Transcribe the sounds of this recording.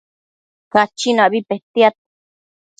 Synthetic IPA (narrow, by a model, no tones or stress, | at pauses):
kat͡ʃinaʔβipeht̪jat̪̚